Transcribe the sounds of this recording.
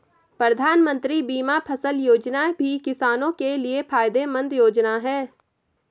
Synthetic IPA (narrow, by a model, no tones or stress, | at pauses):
pɾəd̪ʱaːnmə̃nt̪ɾibiːmapʰəsəljoːd͡ʒnabʱikɪsaːnõkeliepʰaːjd̪emə̃nd̪joːd͡ʒnaɦɛː